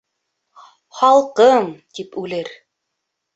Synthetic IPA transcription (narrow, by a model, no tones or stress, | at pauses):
χɑlˠqɤɴt̪ipʉlɘɾ